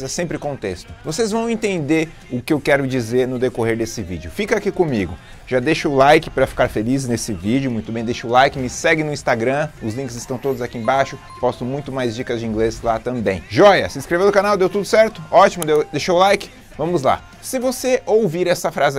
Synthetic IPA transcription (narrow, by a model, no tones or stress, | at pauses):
zɛsẽmpɾɪkõt̪est̪ʊvosezvɐ̃w̃ẽnt̪ẽnd̪eɾ | ʊkɪewkɛɾʊd͡ʒizeɾnʊd̪ekoɦeɾd̪esɪvḭd͡ʒɪʊfikɐakikõmiɡʊ | ʒad̪eʃʊʊlajkɪ̥pɾɐfi̥kaɾfeliznesɪvid͡ʒɪʊmũj̃t̪ʊbẽj̃d̪eʃʊʊlajkɪmɪsɛɡɪ̃nʊĩst̪aɡɾɐ̃ʊzlĩkɪzɪst̪ɐ̃w̃t̪od̪ʊzakiẽbaʃʊ | pɔst̪ʊmũj̃t̪ʊmajzd͡ʒikɐzd͡ʒɪĩŋɡlezlat̪ɐ̃mbẽj̃ʒɔjɐsɪĩskɾevenʊkanawd̪ewt̪ud̪ʊsɛɾt̪ʊɔt͡ʃimʊd̪ewd̪eʃoʊlajkɪ̥ | vɐ̃mʊzla̰ | sɪvoseowviɾɛsɐfɾazɪ